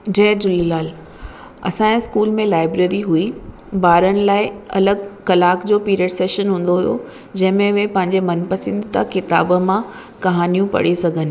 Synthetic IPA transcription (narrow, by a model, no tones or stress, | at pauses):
d͡ʑɛːd͡ʑʊlilaːl | ɐ̰sãːẽskuːlmẽlaːɪbɾeːɾiɦui | baːɾənɪ̆laːɪɐ̰ləɡ̚kɐlaːkd͡ʑoːpiːɾeːɖseːʃənɦũːn̆d̪oɦujo̰ | d͡ʑɐ̃ɦɪ̃mẽʋẽpɐ̃ɦɪ̃ɲd͡ʑemɐnpɐsɪ̃nd̪t̪ɐkɪt̪a̰ːbmã | kɐɦaːnijũpɐ̰ɽesɐɡʱənɪ̆